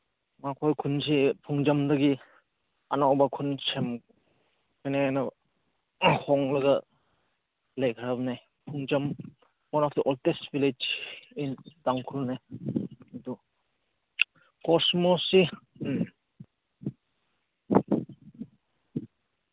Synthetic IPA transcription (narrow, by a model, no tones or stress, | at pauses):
makʰojkʰunsipʰuŋd͡ʒɐmdɐɡi | ɐnawbakʰunsem | kʰɯjniajnɐ | hʰɔŋlɐɡɐ | lejkʰaɾabna | pʰuŋd͡ʒɐm | ɔnak̚iʔɔltestbiled͡ʒindaŋkʰulne | ɐdu | kɔsmɔsi